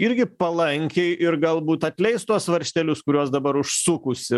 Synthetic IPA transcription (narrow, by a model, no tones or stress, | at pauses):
ɪɾʲɡʲɪpɐlˠɐŋʲkʲɛɪʔɪɾɡɐlˠbuːt̪ɐt̪ʲlʲɛɪst̪uɔsʋɐɾʲʃʲt̪ʲɛlʲʊskʊɾʲuɔsd̪ɐbɐɾʊʃsʊkʊsʲɪ